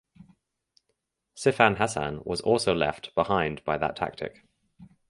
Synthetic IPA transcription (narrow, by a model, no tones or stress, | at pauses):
sɪfãnɦasã̰nwɒ̰zɔˑlˠsəʊlɛ̰ftb̥ɪhãɪ̃nb̥aɪðə̰tʰa̰k̚tʰɪ̰k